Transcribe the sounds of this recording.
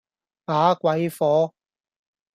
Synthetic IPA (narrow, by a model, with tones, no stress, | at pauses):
paː˨˥kwɐ˨˧jfɔː˨˥